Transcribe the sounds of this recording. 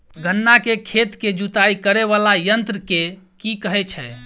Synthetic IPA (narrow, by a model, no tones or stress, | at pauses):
ɡənːakekʰet̪ked͡ʒut̪aikəɾeβalajənt̪ɾəke | kikəɦɛt͡ʃʰɛ